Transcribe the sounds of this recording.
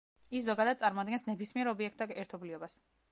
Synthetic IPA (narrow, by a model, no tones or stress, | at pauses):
iszɔɡad̪ad̪̚sʼaɾmɔad̪ɡɛnsnɛbismiɛɾɔbiɛk̚ʰt̪aɛɾt̪ʰɔbliɔbas